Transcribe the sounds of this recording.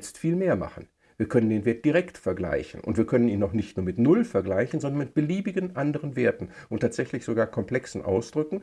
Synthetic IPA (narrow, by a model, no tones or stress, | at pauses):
t͡stfiːlmeːɐma̰χn̩ | viːɐkʰœnəndeːnveːɐt̚d̥iʁɛktfɛɐɡla̰ɪçn̩ʔʊ̰ntv̥iːɐkʰœnəniːnaʊχnɪçtnuːɐmɪtnʊlfɛɐɡlaɪçn̩zɔndɐnmɪt̚b̥əliːbɪɡənʔandəʁ̞ənveːɐtn̩ʔʊntʰːaːtz̥ɛçlɪçz̥oɡaːɐkʰɔmpl̥ɛksn̩ʔa̰ʊsd̥ʁʏkŋ̩